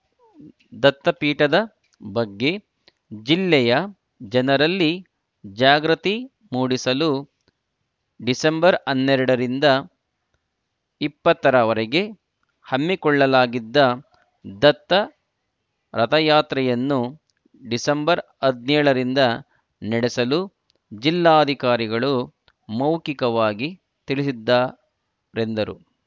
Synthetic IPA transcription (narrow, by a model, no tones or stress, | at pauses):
d̪ɐt̪ːɐpiːʈɐd̪ɐ | bɐɡːe̞ | d͡ʒilːɛjɐ | d͡ʒɛnɐɾɐlːi | d͡ʒaːɡɾɐt̪i | muːɽisɐlu | ɖisɐmbɐɾɐnːɛɾɐɽɐɾind̪ɐ | ipːɐt̪ːɐɾɐʋɐɾɛɡe̞ | hɐmːikɔɭːɐlaːɡid̪ːɐ | d̪ɐt̪ːɐ | ɾɐt̪ɐjaːt̪ɾɐjɐnːu | ɖisɐmbɐɾ | ɐd̪nɛːɭɐɾind̪ɐ | nɐɽesɐlu | d͡ʒilːaːd̪ʱikaːɾiɡɐɭu | mɐwkikɐʋaːɡi | t̪iɭisid̪ːaː | ɾe̞nd̪ɐɾu